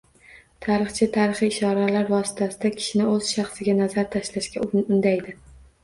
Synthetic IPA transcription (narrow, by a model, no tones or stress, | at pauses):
t̪ʰaɾɨχt͡ʃʰɪt̪ʰaɾɨχiːʃɒɾalaɾvɒsɪ̥t̪ʰasɪd̪akʲʰɪ̥ʃɪnɪoz̥ʃɑχsɪɡʲanazaɾt̪ʰaʃlaʃkʲaʊnd̪ajd̪ɪ